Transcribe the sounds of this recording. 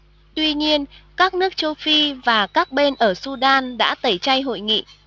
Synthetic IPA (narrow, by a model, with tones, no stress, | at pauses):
t̪wi˧ɲi˧ənkaː˦˥k̚nɨ˦˥ək̚t͡ɕə˧wfi˧vaː˨˩kaː˦˥k̚ɓe˧nʔəː˧˩su˧ɗaː˧nɗa̰ː˧˥t̪ə˨˩jt͡ɕa˧jɦo̰˧˨jŋḭ˧˨